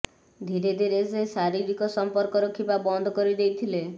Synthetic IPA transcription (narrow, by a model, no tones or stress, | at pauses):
d̪ʱiɾed̪ʱiɾesesaɾiɾikɔsɔmpɔɾkɔɾɔkʰipabɔnd̪ʱɔkɔɾid̪ejt̪ʰile